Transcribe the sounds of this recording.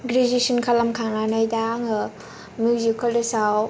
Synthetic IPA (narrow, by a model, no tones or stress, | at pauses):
ɡɾizisinkʰalamkʰaŋnanɔjdaŋɯ | mjuzikʰalisaw